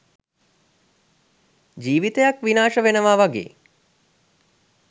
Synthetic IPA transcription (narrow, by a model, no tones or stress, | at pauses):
d͡ʒiːʋit̪əjakʋinaːʃəʋenəʋaːʋaɡḛː